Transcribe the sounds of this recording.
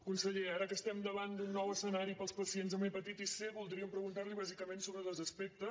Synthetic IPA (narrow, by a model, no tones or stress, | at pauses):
kunsəʎeaɾəkəst̪ɛmd̪əβand̪unːɔwəsənaɾipəlˠspəsienzəmejpət̪it̪iseβulˠd̪ɾiəmpɾəɣunt̪aɾliβ̞azikəmensoβɾəðəzəspek̚t̪ə